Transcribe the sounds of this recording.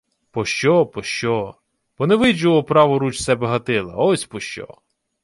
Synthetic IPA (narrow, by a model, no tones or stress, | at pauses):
pɔʃt͡ʃɔpɔʃt͡ʃɔ | bɔneɛʋɪd͡ʒʊʋɔpɾɑʋɔɾut͡ʃsɛbɛɦɐt̪ɪlˠɐ̰ɔsʲpɔʃt͡ʃɔ̰